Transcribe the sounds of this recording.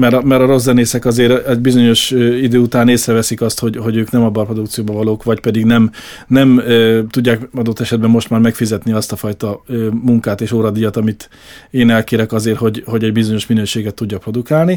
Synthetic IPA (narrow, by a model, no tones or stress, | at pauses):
mɛɾmɛɾɒɾo̞zːɛneːsɛkɒzeːɾɛɟbizo̞ɲo̞ʃid̪øːut̪aːneːsrɛvɛsikɒst̪ho̞ɟɦo̞ɟøːknɛmɒbːɒpro̞d̪ukt̪sijoːbɒvɒloːkʋɒcpɛd̪iɡnɛm | nɛmt̪uɟːaːkɒd̪ot̪ːɛʃɛd̪bɛmːo̞ʃt̪maːrmɛkfizɛt̪niɒst̪ɒfɒjt̪ɒømuŋkaːt̪eːʃoːɾɒd̪ijɒt̪ɒmit̪ | eːnɛlkeːɾɛkɒzeːrho̞ɟho̞ɟɛɟbizo̞ɲo̞ʃminøːʃeːɡɛt̪ːuɟːɒpro̞d̪ukaːlni